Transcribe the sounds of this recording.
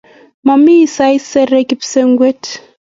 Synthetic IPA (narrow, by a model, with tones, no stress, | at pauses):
ma˨mi˦sa˦i˦sɛ˦ɾɛ˦ki˦pse˦ŋɡwe˦t